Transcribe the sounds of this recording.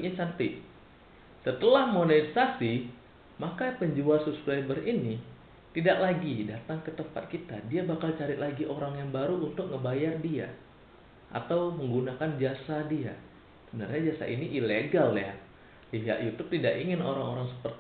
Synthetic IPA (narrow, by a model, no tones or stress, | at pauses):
sant̪i | sət̪əlahmonesasi | makapəɲd͡ʒuasupskɾajbərini | t̪idaʔlaɡidat̪aŋkət̪əmpat̪̚kit̪adiabakalt͡ʃaɾɪt̪̚laɡiʔoɾaŋjaŋbaɾuʔunt̪ʊk̚ŋəbajardia̰ | ʔa̰t̪awməŋɡunakand͡ʒasadia̰ | səbənə̰rɲad͡ʒasa̰ʔiniʔileɡalja | ja̰ʔjut̪ʊp̚t̪idaʔiŋɪnoɾaŋoɾaŋsə̥pərt̪